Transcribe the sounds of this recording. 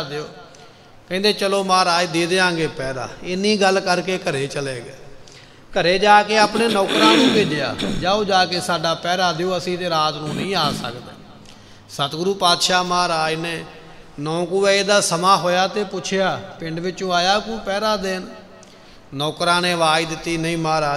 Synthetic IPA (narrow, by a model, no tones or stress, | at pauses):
d̪eoː | kɛ̃ːnd̪eːt͡ʃəloːmaːɾaːiːd̪eːd̪eːãːɡeːpɛːɾa̰ːɪnĩːɡəlkəɾkeːkəɾeːt͡ʃəleːɡeː | kəɾeːd͡ʒaːkeːaːpneːnɔːkɾãːnũːpeːd͡ʒja̰ːd͡ʒaːoːd͡ʒaːkeːsaːɖaːpɛːɾaːd̪eoːəsĩːt̪eːɾaːt̪nũːnəĩːaːsə̰kd̪ḛː | sət̪ɡɾuːpaːt̪ʃaːmaːɾaːineː | nɔ̃ːkuːɛːeːd̪aːsəmaːɦoːjaːt̪eːpʊt͡ʃʰɪjaːpɪ̃ɳɖʋɪt͡ʃũːaːjaːkuːpɛːɾãːd̪en | nɔːkɾãːnẽːʋaːiːd̪ɪt̪ːiːnəĩːmaːɾaː